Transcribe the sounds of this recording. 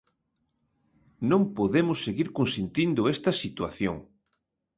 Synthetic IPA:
nõŋpoðemʊsːeɣiɾkonsent̪ind̪ʊɛst̪ɐsit̪waθjo̰ŋ

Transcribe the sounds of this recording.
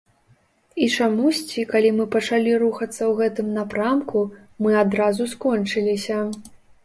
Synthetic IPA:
it͡ʂamusʲt͡sʲikalʲimɨpɐt͡ʂalʲiɾuxɐt̪sːɐwɣɛt̪ɨmnapɾamku | mɨad̪ɾazuskɔnt͡ʂɨlʲisʲɐ

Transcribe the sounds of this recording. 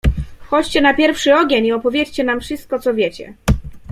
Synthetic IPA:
fxɔt͡ɕt͡ɕɛnapʲjɛɾfʂɘɔɡʲeɲiɔpɔvʲjet͡ɕt͡ɕɛnamfʂɘst̪̚kɔt̪sɔvʲjet͡ɕɛ̰

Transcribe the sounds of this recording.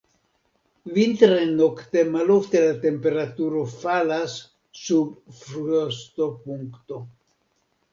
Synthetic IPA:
vint̪ɾenokt̪e̞maloft̪e̞lat̪e̞mpe̞ɾat̪uɾo̞falasː | ubfɾuost̪opuŋkt̪o

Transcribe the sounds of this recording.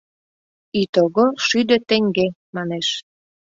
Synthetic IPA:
it̪oɣoʃyd̪ø̆t̪ĕŋɡemɑneʃ

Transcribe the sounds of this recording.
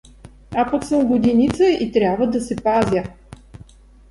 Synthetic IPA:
apɐksəmɡod̪inʲit̪səʔit̪ɾʲabvəd̪ɐsɛpazʲjə

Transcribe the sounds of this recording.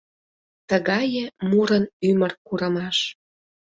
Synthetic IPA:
t̪əɣɑjə̆muɾənymərkuɾə̆mɑʃ

